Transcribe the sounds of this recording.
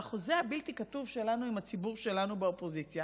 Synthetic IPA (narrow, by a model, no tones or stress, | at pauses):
aχozehabiltikatuvʃe̞lanuimhat͡sibuʁʃe̞lanubeopo̞zit͡sja